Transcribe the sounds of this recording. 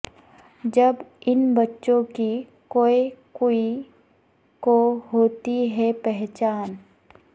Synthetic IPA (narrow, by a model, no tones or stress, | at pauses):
d͡ʒɐbɪnbɐtːʃõki | koːekoːi | koɦoːt̪iɦɛpɛɦt͡ʃaːn